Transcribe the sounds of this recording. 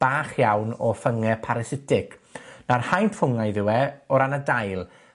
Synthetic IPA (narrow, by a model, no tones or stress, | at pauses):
b̥aːχjawnɔfəŋɛpʰaɾɛsɪtʰɪknarhajnfʊŋajðɪwɛɔɾanadajlˠ